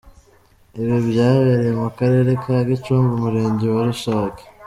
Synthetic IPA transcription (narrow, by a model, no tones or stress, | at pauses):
iβiβjaːβeɾejemukaɾe̞ːɾe̞kʰaɡit͡ʃuːmɡumuɾe̞ːɲɟewaɾuʃaːkḁ